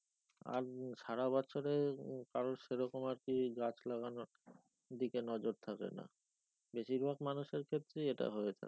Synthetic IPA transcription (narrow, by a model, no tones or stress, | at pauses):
a̰ɾʃaɾabɔɕʰoɾekaɾonʃeɾɔkomaɾkiɡat͡ɕlaɣanoɾ | d̪ikenɔd͡ʑoɾt̪ʰakḛna̰ | beʃiɾbʱaɡmanuʃeɾkʰet̪ːɾeeʈa̰ɦoet͡ɕʰḛ